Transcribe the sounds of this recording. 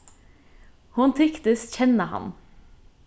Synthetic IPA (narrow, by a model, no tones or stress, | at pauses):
hʊnt̪ʰʏkt̪əsçɛnəhɑ̰n